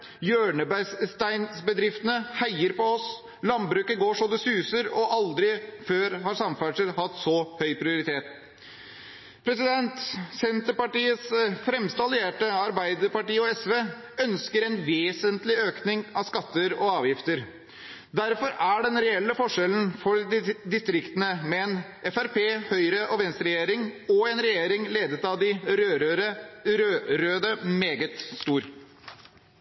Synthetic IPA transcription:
jøːɳəbsst̪æɪnsbəd̪ɾɪft̪ənəhæɪəɾpɔɔs | lɑnbɾʉːkəɡoːʂɔd̪ɛsʉːsəɾɔʔɑld̪ɾɪføːɾhɑɾsɑmfæʂəɾhɑt̪sɔhœʏpʰɾɪʊɾɪt̪ʰeːt̪ | pʰɾɛsɪd̪ɛnt̪sɛnt̪əɾpɑʈiːəsfɾɛmst̪ɑlɪeːʈəɑɾbæɪd̪əɾpɑʈiːəɔɛsʋeː | œnskəɾɛnʋeːsənt̪lɪøːknɪŋɑʋskɑt̪ːəɾɔɑːʋjɪft̪əɾ | d̪æɾfɔɾæɖɛnɾɛɛlːəfɔʂɛln̩fɔɾd̪ɪst̪ɾɪkt̪ənəmɛɛn | ɛfæɾpʰeːhœʏɾəʔɔʋɛnst̪ɾɛjeːɾɪŋɔɛnɾɛjeːɾɪŋleːd̪ət̪ɑʋd̪ɪɾø | øɾøːd̪əmeːɡət̪st̪uːɾ

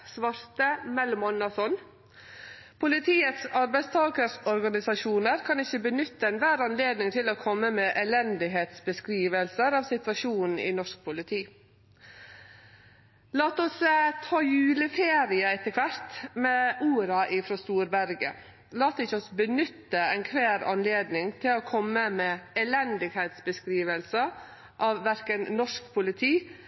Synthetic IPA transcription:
sʋɑɾt̪əmɛlmɔnːɑsɔn | pʰʊlɪt̪ʰiːət̪sɑɾbæɪst̪ʰɑːkəɾsɔɾɡɑnɪsɑʃuːnəɾkʰɑnɪçəbənʏt̪ːəɛnʋæːɾɑnleːd̪nɪŋt̪ʰɪloːkʰɔmːəmɛʔɛlɛnd̪ɪɦeːt̪sbəskɾiːʋəlsəɾɑːʋsɪt̪ʋɑʃuːnn̩ɪ̰nɔʂk̚pʰʊlɪt̪ʰiː | lɑːt̪ɔst̪ʰɑːjʉːləfeːɾɪəɛt̪ːəkʰʋæɾt̪mɛʔuːɾɑʔɪfɾɑst̪uːɾbæɾɡə̰ | lɑːt̪ɪçːɔsbənʏt̪ːəɛɪnkʰʋæːɾɑ̰nleːd̪nɪŋt̪ʰɪlɔkʰɔmːəmɛɛlɛnd̪ɪɡheːt̪sbəskɾiːʋəlsə | ʔɑʋʋæɾkənnɔʂkpʰʊlɪt̪ʰiː

